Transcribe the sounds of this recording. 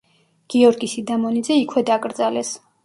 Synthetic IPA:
ɡ̥iɔɾɡisid̪amɔnid̪zɛikʰwɛd̪akʼɾd̪zalɛs

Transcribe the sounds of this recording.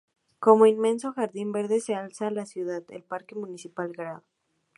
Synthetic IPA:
ko̞moinmẽ̞nso̞xaɾðimbe̞ɾðe̞sealsaːlasjuð̞aðḛlpaɾke̞mũnisipalɡɾaðo

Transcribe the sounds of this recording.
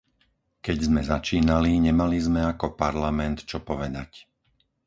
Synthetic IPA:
kɛɟzmɛzat͡ʃiːnaliɲɛmalizmɛakɔpaɾlamɛnt̪t͡ʃɔpɔʋɛd̪ac

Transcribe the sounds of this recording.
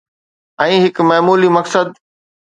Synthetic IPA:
ɛ̃ːɦɪkmɐːmuːlimɐksəd̪̚

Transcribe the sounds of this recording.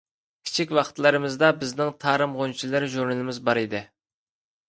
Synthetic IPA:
kʲʰi̥t͡ʃʰikʲwɑχt̪lˠɨɾɨmɨzd̪ɑbɪznɪŋt̪ʰɑːɾɨmʁont͡ʃʰilˠɨɾʒuɾnɨlˠɨmɪzbɑɾid̪ɪ

